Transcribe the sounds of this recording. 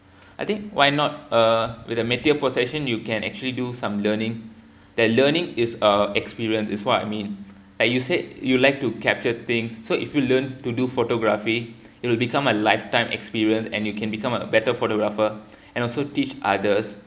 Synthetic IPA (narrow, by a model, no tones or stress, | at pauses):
aɪjt̪ɪ̃ŋkwaɪnɔt̚əwɪðəmɛtiəposɛʃə̃njukɛ̃nɛ̰k̚t͡ʃuəlidusãmlənɪ̃ŋ | d̥̪ɛt̚lənɪ̃ŋɪsəɛkspiɹiə̃nsɪswɔta̰jmĩn | laɪkjusejulaɪk̚tukɛp̚t͡ʃət̪ɪ̃ŋsːoʔḭfjulə̃ntudufotoɡɹafi | ɪt̚wɪlbikãməlaɪftãɪ̃mʔɛ̰kspiɹiə̃nsɛ̰̃njukɛ̃nbikãməbɛtəfotoɡɹafə | ɛ̃nɔlsotit͡ʃʔa̰dəs